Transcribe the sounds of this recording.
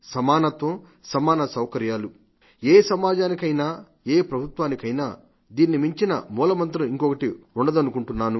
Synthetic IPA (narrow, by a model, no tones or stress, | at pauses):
sɐmaːnɐt̪ʋɐ | sɐmaːnɐsɐwkɐɾjaːlu | eːsɐmaːd͡ʒaːnikɐjnaː | eːpɾɐbʱut̪ʋaːnikɐjnaː | d̪iːnːimiɲt͡ʃinɐ̰muːlɐmɐnt̪̬ɾɐmiŋkɔkɐʈiuɳɖɐd̪ɐnukuɳʈunːaːnu